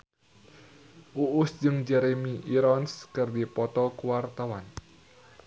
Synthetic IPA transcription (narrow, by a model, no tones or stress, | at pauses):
ʔuʔʊsd͡ʒɨŋd͡ʒɛɾemiʔiɾɔnskɨrdipɔt̪ɔkuwart̪awan